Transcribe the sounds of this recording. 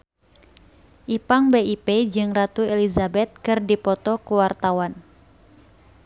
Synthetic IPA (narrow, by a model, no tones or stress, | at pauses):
ʔipaŋbeiped͡ʒɨŋrat̪uɛlizabɛt̪̚kɨrdipɔt̪ɔkuwart̪awan